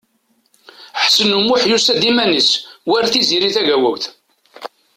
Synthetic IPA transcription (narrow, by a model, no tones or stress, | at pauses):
ħsənumʊħjusæd̪imæniswæɾθiziɾiθæʝæwæwθ